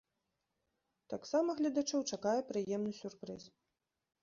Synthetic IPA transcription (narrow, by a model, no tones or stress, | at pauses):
t̪aksamɐɣlʲɐd̪at͡ʂɔwt͡ʂakajɛpɾɨjɛmnɨsʲurpɾɨs